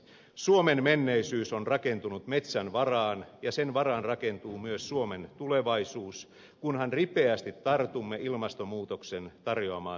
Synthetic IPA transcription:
suomenmenːeisyːsonrɑke̞nt̪unut̪met̪sænʋɑrɑːnjɑsenʋɑrɑnrɑke̞nt̪uːmyøsːuoment̪uleʋɑisuːs | kunhɑnripeæst̪it̪ːɑrt̪umːeʔilmɑst̪omuːt̪oksent̪ɑrjoɑmɑ̰ː

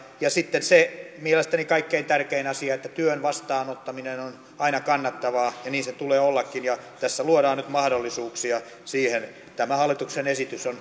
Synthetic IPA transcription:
jɑsit̪ːensemielest̪ænikɑikːeint̪ærkeinɑsiɑet̪ːæt̪yønʋɑst̪ɑːnot̪ːɑminenon | ɑinɑkɑnːɑt̪ːɑʋɑːjɑniːnset̪uleːolːɑkːinjɑt̪æsːæluoɾɑːnnyt̪mɑhdolːisuːksiɑ | siːhen | t̪æmæhɑlːˑit̪uksenesit̪yson

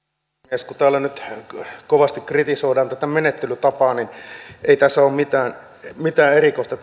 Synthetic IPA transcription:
eskut̪æːlːænyt̪koʋɑst̪ikkrit̪isoidɑːnt̪æt̪æmenet̪ːelyt̪ɑpɑːninʔeˑit̪æsːæoːmmit̪æːn | mit̪æːerikoˑist̪ɑ

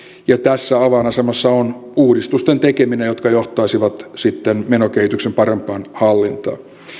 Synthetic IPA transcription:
jɑt̪æsːæɑʋɑnɑsemɑsːɑonuːdist̪ust̪ent̪ekeminejjo̞t̪kɑjoht̪ɑisiʋɑt̪sit̪ːenmenokeit̪yksempɑɾempˑɑːnhɑlːint̪ɑ̰ː

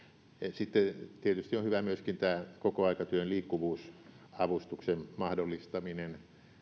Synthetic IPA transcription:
sit̪ːet̪iet̪yst̪iõhyʋæmyøskint̪æːkokoɑikɑt̪yønliːkːuʋuːs | ɑʋust̪uksemmɑhdolːist̪ɑminen

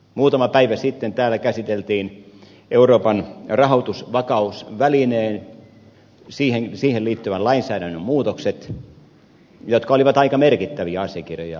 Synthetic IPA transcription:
muːt̪ɑmɑpæiʋæsit̪ːent̪æːlːˑækæsit̪elt̪iːn | ʔeuroːpɑnrɑhot̪usʋɑkɑusʋælineːn | siːhensiːhelliːt̪ːyʋællɑinsæːɾænːømmuːt̪okset̪ | jot̪kɑoliʋɑt̪ɑikɑmerkit̪ːæʋiæɑsijɑkirjojɑ̰

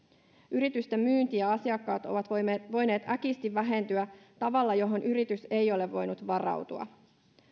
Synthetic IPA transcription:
yɾit̪yst̪e̞mmyːnt̪iæɑsiɑkːɑːt̪o̞̰ʋɑt̪ʋo̞jne̞ːt̪ækist̪iʋːæɦe̞nt̪yæt̪ɑʋɑlːɑjo̞ɦo̞nʔyɾit̪yse̞jo̞le̞ʋːo̞jnut̪ʋɑrɑ̰wt̪uɑ̰

